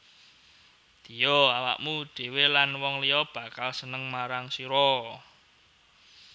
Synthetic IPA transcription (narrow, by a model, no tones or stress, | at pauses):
d̪̥ijoawa̰ʔmuɖ̥e̤welanwɔŋlijɔb̥ä̤kalsənəŋmaɾaŋsiɾɔ